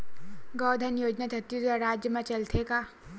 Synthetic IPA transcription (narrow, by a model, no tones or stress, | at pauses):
ɡɔːd̪ʱənjoːd͡ʒnad̪ʱɐt̪ːid̪aɾɾaːd͡ʒjəmãt͡ʃɐlt̪ʰekaː